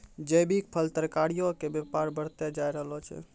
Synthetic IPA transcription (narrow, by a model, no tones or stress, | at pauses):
d͡ʒəjbʱik̚pʰəlt̪əɾkaɽijokebepaɾbəɽ̤t̪jed͡ʒajɾəɦəlot͡ʃʰɛ̰